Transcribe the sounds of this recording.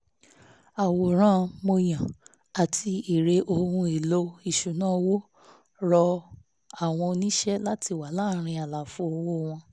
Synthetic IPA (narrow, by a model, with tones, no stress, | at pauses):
a˨wo˨ɾ̃ã˦mo˧j̃ã˨ | a˨tʰi˧i˨ɾe˧ʔo˧hũ˧e˨lo˨˦i˨ʃu˨nã˦wo˦ | ɾɔ˧ | a˨w̃ɔ̃˧nĩ˦ʃɛ˦la˦tʰi˧˨wa˨˦laː˦˨ɾ̃ĩ˧˦a˨la˨fu˧˦o˧˦wo˦˨w̃ɔ̃˧